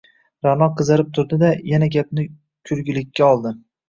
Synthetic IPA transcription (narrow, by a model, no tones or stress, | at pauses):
ɾanɒqʰɨzaɾɪp̚t̪ʰʊɾd̪ɪd̪ajanaɡʲap̚nɪ | kʲʰʊɾɡʲɪlɪkʲːaɒlˠd̪ɪ